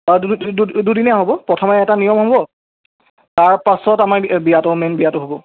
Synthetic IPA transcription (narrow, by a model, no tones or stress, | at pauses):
ddudinɛaɦobɔpɹɔtʰɔmɛɛtanijɔmɦobɔ | taɹpasɔtamaɹbijatɔmenbijatʊɦobɔ